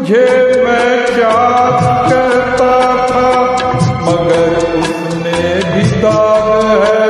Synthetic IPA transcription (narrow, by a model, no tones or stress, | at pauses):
d͡ʒʱemɛ̃kjaːt̪kɛɾt̪at̪ʰa | mɐɡəɾʊs | ne | bʱid̪aːnɦɛː